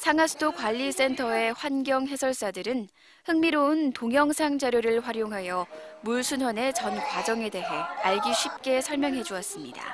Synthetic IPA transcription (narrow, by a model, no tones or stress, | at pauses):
sʰaŋasʰu̥dʰokwaʎːis͈e̞ntʰʌe̞ɸwanɡjʌŋɦe̞sʰʌɭs͈adɯɾɯn | hɯŋmiɾoɯntoŋjʌŋsʰaŋd͡ʑaɾjoɾɯɭɸwaɾjoŋɦajʌmuɭsʰunwane̞t͡ɕʌnkwad͡ʑʌŋe̞de̞ɦe̞aɭɡiɕʰɥip̚k͈e̞sʰʌɭmjʌŋɦe̞d͡ʑuʌs͈ɯmɲida̰